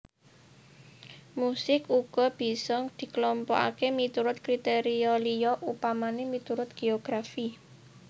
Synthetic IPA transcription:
musɪkuɡ̥ɔ̤b̥i̤sɔŋd̪̥i̤klɔmpɔ̰ʔa̰kemit̪uɾʊt̪̚kɾit̪eɾiɔlijɔʔupamanemit̪uɾʊt̪̚ɡ̥eoɡ̥ɾafi

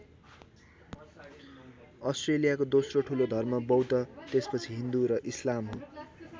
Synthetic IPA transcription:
ʌsʈrelijakod̪osroʈʰulod̪ʱʌrmʌbʌwt̪ʌt̪espʌt͡sʰiɦind̪uɾʌʔislamɦõ

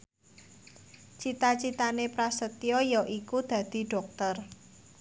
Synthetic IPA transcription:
t͡ʃit̪at͡ʃit̪anepɾasət̪iɔjɔʔikud̪̥ä̤d̪̥i̤ɖ̥ɔ̤k̚t̪ər

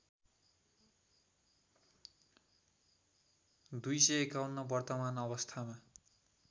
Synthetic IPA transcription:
d̪ujsʌekawnːʌbʌrt̪ʌmanʌβʌst̪ʰama

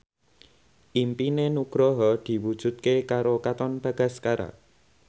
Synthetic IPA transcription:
ʔimpinenuɡ̥ɾɔɦɔd̪̥i̤wud̥ʒ̥ṳt̪̚kekaɾokat̪ɔnb̥ä̤ɡ̥a̤skaɾa̰

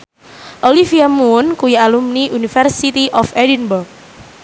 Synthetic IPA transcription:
ʔolifiamunkujialumniʔunifɛrsit̪iʔɔfɛdinbʊrk̚

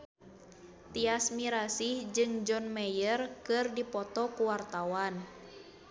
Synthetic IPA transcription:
t̪iasmiɾasihd͡ʒɨŋd͡ʒɔnmɛjərkɨrdipɔt̪ɔkuwart̪awan

